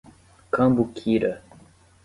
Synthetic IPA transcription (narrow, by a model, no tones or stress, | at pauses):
kãmbukʰiːɾə